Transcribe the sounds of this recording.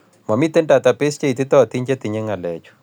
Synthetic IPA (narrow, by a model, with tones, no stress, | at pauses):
mɔ˨mi˦t̪e˦nda˨t̪a˨pe˦st͡ʃe˦i˨t̪i˦t̪ɔ˦˨t̪i˦ɲt͡ʃe˦t̪i˨ɲe˦ŋa˨lɛ˨t͡ʃu̥